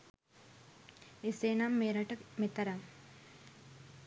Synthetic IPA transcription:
eseːnamːeːɾɐʈɐmet̪ɐɾɐm

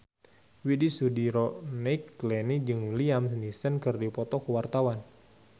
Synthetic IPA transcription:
widisudiɾɔnɛkːlɛnid͡ʒɨŋliamsnisənkɨrdipɔt̪ɔkəwart̪awan

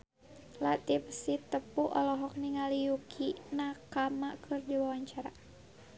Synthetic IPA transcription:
lat̪ip̚sit̪əpuʔɔlɔɦɔk̚niŋalijukʰinakamakʰɨrdiwawaɲt͡ʃaɾa

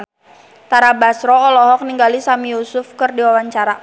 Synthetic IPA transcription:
t̪aɾabasɾɔːlɔɦɔk̚niŋɡalisamijusʊfkɨrdiwawaɲt͡ʃaɾa

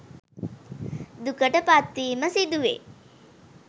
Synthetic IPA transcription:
d̪ukəʈəpat̪ːiːməsid̪uʋḛ

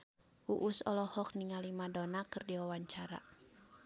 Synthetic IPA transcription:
ʔuʔusɔ̰lɔhɔk̚niŋalimadɔnakɨrdiwawaɲt͡ʃaɾa̰

